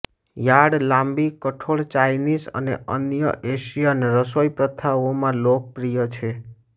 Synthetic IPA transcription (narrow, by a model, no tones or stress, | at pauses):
jaɽlãmbikəʈʰoɭt͡ʃajnisə̰nḛʔə̰njə̰ʔeʃijaneɾəsojpɾət̪ʰaʋomãlok̚pɾijət͡ʃʰe